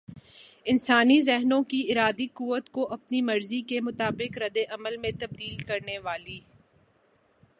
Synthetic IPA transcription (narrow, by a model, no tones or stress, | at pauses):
ɪnsaːnizɛɦnõkiɪɾaːd̪ikuːʋət̪koʔɐpnimɐɾzikemʊt̪aːbɪqɾɐd̪eʔɐməlmẽt̪ɐb̚d̪iːlkɐɾneʋaːliː